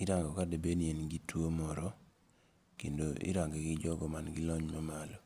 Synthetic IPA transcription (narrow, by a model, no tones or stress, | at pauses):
iɾaŋɡɔkadebenjenɡitwomɔɾɔ | kendoʔɪ̰ɾaŋɡɛɡɪd͡ʒɔɡɔmanɡɪlɔɲmɔmalɔ